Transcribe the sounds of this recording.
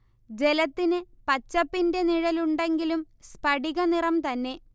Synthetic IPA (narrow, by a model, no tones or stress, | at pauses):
d͡ʑe̞lɐt̪ːinɨpɐt͡ɕːɐpːinde̞niɻɐluɳɖe̞ŋɡilum | spɐɽiɣɐnirɐmt̪ɐnːe̞